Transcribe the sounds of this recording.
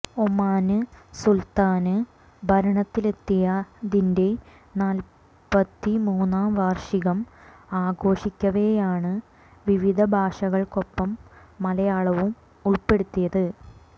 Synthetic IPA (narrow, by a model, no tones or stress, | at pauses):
omːaːnɨsult̪aːnɨ | bʱɐɾɐɳɐt̪ːile̞t̪ːijɐd̪inde̞ | naːl | pɐt̪ːimuːnːaːmʋaːrʂiɣɐm | aːɡo̞ːʂikʲːɐʋejaːɳɨ | ʋiʋid̪ʱɐbʱaːʂɐɣɐɭko̞pːɐmːɐlɐjaːɭɐʋum | uɭpe̞ɽut̪ːijɐðɨ